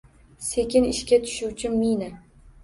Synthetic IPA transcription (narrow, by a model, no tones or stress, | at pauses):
se̞kʲɪnɪʃkʲat̪ʰʊ̥ʃʊwt͡ʃʰɪmmːijna